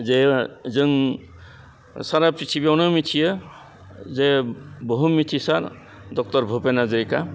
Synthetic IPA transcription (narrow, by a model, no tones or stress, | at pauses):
d͡zed͡zɯŋ | saɾapit͡ʃʰibewnʌmit̪ʰijʌ | d͡zebɔɦumit̪ʰisaɾ | d̪ɔk̚t̪ʌɾbʱupenad͡zʌɾika